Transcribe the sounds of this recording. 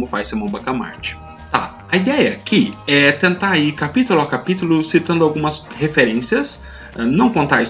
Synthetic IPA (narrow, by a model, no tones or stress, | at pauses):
mʊfajsemɐ̃w̃bakama̰ɾt͡ʃɪ̥ | t̪a̰ | ɐid̪ɛjɐɐkʰɪɛt̪ẽnt̪aɾikapit̪ulakapit̪ʊlʊsit̪ɐ̃nd̪ʊawɡũmɐshefeɾẽsiɐs | ɛnɐ̃w̃kõnt̪ai